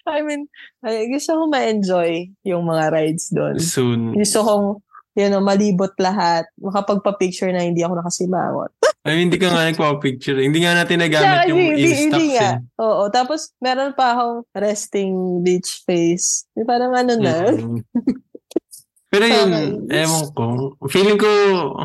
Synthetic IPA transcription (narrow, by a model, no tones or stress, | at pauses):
ʔɐjminɐɡʊst̪okomɐʔɛnd͡ʒojjʊŋmɐŋaɾajd̪sd̪o̞̰nsunɡʊst̪okoŋjonomɐliːbot̪̚lɐɦat̪̚mɐkɐpɐɡ̚pɐpik̚t͡ʃʊɹnɐhɪnd̪iːɐko̞nɐkɐsɪma̰ːŋo̰t̪̚ʔɐjhɪnd̪ikɐŋanɐɡ̚pɐpɐpik̚t͡ʃʊɾhɪnd̪iːŋanaːt̪ɪnːɐɡaːɪtɪd̪iiɪd̪iŋaʔoːʔo̞t̪aːposmɛːɾonpɐʔɐko̞ŋɾɛst̪ɪŋlit͡ʃfejspaːɾɐŋʔɐnonɐ | pɛːɾojʊnʔɛmoŋkofilɪŋko